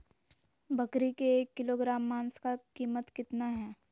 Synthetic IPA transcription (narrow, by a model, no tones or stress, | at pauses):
bʱɐkɾikeːkːɪloːɡɾaːmːaːnskakiːmət̪kɪt̪naɦɛː